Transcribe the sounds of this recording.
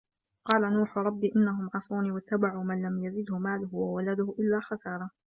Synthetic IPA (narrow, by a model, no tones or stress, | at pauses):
qɑːlanuːħʊɾˤɑbːiːʔɪnːaɦʊmʕɑsˤuːniːwat̪ːabaʕuːmanlamjazɪd̪hʊmaːlʊhʊwawalad̪ʊhʔɪlːaːxɑsɑːɾˤɑ